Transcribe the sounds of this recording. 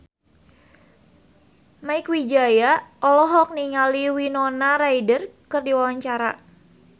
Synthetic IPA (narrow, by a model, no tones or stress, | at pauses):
maɪkwid͡ʒajaʔɔlɔɦɔk̚niŋaliwinɔnaɾaidərkɨrdiwawaɲt͡ʃaɾa̰